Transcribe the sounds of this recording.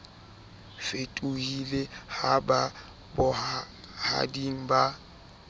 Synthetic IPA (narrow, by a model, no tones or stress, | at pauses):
fetʼuhilehaba | bʊ | ha̰diŋ̩ba